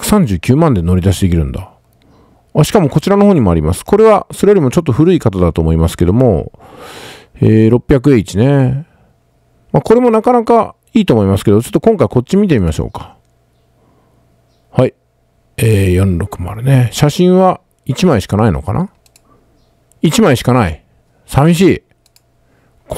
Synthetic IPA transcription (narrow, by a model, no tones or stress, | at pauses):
sãɲ̟d͡ʑɨːkʲɨːmãnd̪e̞no̞ɾʲid̪aɕ̬id̪ekʲiɾɯ̟̃nd̪a | aɕi̥kamo̞ko̞t͡ɕiɾano̞ho̞ːɲ̟imo̞aɾʲimasɨ̥ko̞ɾe̞βaso̞ɾejoɾimo̞t͡ɕo̞t̪ːo̞ɸɯ̟ɾɯikat̪ad̪at̪o̞ːmo̞imasɨ̥ke̞d̪o̞mo̞̰ | eːɾo̞pʲːjakɯ̟e̞ːit͡ɕine̞ | mako̞ɾe̞mo̞nakanaka | iːt̪o̞ːmo̞imasɨ̥ke̞d̪ot͡ɕo̞t̪ːkõ̞ŋkaiko̞t͡ɕːimʲit̪e̞mʲimaɕo̞̰ːkḁ | hai | eːjõ̞nɾo̞kɯ̟moaɾɯ̟ne̞ɕaɕĩɰ̃βa | it͡ɕimaiɕi̥kanaino̞̰ka̰na̰ | it͡ɕimaiɕi̥kanaḭ | samʲiɕ̬iː | k